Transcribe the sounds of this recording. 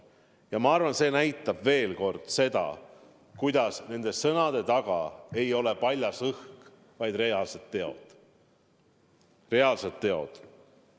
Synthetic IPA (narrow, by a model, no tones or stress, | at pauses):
jɑmɑɑrvɑnse̞ːnæjt̪ːˑɑb̥ve̞ːlko̞rd̪̥se̞d̪̥ɑ̰ | kujd̪̥ɑsne̞nd̪̥e̞sɤnɑd̪̥e̞t̪ɑɡ̥ɑ̰e̞jo̞le̞pɑlʲjɑsɤhk | vɑjd̪̥reɑlset̪ːeo̞̰d̪̥ | re̞ɑlse̞t̪ːeo̞̰d̪̥